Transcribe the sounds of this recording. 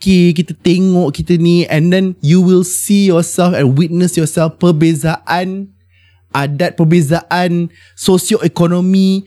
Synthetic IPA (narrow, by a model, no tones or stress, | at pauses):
kek̬it̪ət̪ɛŋɔʔkit̪ənĩɛ̃ndɛ̃njuwilsijɔsɛlfɛ̃nwit̪̚nəsjɔsɛlfpəbezaʔãn | ʔadat̪̚pəbezaʔãn | sosialɛkɔnɔ̃mi